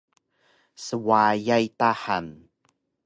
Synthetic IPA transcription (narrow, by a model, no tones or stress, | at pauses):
səwajajtaħan